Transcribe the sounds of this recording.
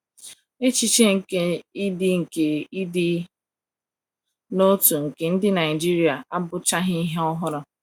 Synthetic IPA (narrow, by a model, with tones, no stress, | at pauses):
e˦t͡ʃi˦t͡ʃe˦ŋ̩˨ke˦i˦dɪ˦ŋ̩˨ke˨i˦dɪ˦ | no˦tu˨ŋ̩˨ke˨n̩˦dɪ˦na˨ɪ˨d͡ʒi˦ɾi˨˦a˨ʔa˦bʊ˦t͡ʃa˦ɦɪ˦i˦ɦe˦ɔ˦ɦʊ˦ɾʊ˦